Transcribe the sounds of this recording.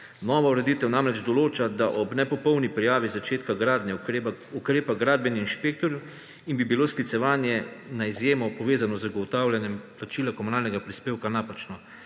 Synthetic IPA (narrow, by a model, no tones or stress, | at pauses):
nɔːʋauɾɛd̪it̪ɛwnamɾɛd͡ʒd̪ɔloːt͡ʃad̪aʔɔbnɛpɔpɔwnipɾijaːʋizat͡ʃeːt̪kaɡɾaːd̪nʲjɛukɾeːpaɡɾaːd̪̚bɛnixinʃpeːk̚t̪ɔɾju | inbibiloːsklit̪sɛʋaːnjɛnaizjeːmɔpɔʋeːzanɔzɡɔwt̪aːwljanjɛmplat͡ʃilakɔmunaːlnɛɡapɾispeːwkanaːpat͡ʃnɔ